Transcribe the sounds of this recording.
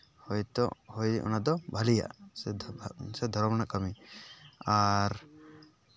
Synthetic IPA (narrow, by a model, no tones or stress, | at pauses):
hɔjt̪ɔhɔjʔɔ̰nad̪ɔbʱalija̰ʔs | sɛd̪ʱɔɾmnaʔkəmi | aɾ